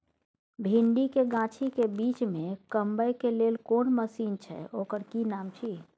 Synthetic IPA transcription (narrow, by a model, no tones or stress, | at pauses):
bʱiɳɖikeɡãːt͡ʃʰikebit͡ʃmẽkəmbəjkeleːlkoːnɳməsiːnt͡ʃʰɛ̰oːkəɾkinaːmt͡ʃʰi